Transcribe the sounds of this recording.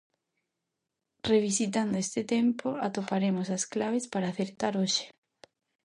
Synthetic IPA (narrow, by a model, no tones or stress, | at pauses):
reβ̞isit̪and̪oest̪ɪt̪empoat̪opaɾemosasklaβ̞espaɾaːθeɾt̪aɾoʃe̥